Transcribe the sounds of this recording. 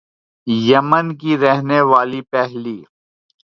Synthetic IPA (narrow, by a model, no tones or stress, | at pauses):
jɐmənkiɾɛɦneʋaːlipɛɦliː